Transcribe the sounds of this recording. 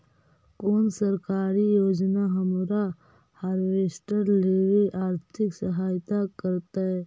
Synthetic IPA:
koːnsəɾkaːɾijoːd͡ʒnaɦɐmɾa | haːɾʋeːsʈəɾleːʋeʔaːɾt̪ʰɪksəɦaːjt̪akəɾt̪aɦɛ

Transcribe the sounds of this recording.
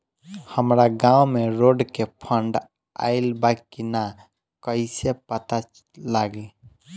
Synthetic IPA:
həmɾaɡãːwmẽɾoɖkepʰəɳɖ | a̰ɪlbakina | kəisepət̪a | laɡe

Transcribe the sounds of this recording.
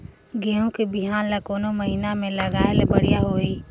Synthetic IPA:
ɡeɦõkebiɦaːnlakoːnoməɦinamẽləɡaːelebəɽ̤ijaɦoːi

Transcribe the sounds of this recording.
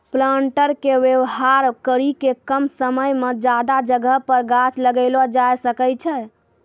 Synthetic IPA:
plaɳʈəɾkeʋewɦaɾkəɾikekəmsəməjmed͡ʒad̪ad͡ʒəɡʱəɦpəɾɡat͡ʃləɡəɪlɔd͡ʒajsəkəjt͡ʃʰɛ

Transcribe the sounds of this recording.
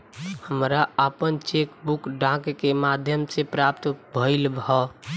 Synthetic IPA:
həmɾaəpənt͡ʃekbukɖãkkːemad̪ʱjəmsepɾap̚t̪bʱəɪlbʱɔ

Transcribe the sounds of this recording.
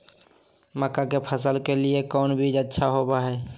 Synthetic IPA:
məkakepʰəsəlkeliekɔːnbʱid͡ʒətːʃʰaɦobaɦɛ

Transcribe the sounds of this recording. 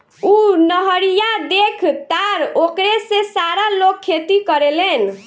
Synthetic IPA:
unəɦəɾijad̪ekʰt̪aɾokɾesẽsaɾalokʰːet̪ikəɾelen

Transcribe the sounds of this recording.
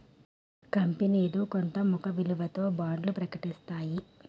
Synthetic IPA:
kɐmpiniːd̪ukont̪ɐmukɐʋiluʋɐt̪o̞ːbaːɳɖlupɾɐkɐʈist̪aːji

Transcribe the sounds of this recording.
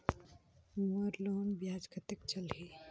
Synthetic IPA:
ʋəɾloːnbjaːd͡ʒkʰət̪ək̚t͡ʃɐlɦiː

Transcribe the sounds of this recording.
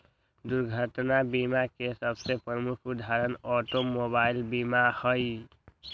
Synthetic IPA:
d̪uɾɡʱət̪nabimakesəbsepɾəmukʰud̪ʱaɾənɔʈomobailbimahəj

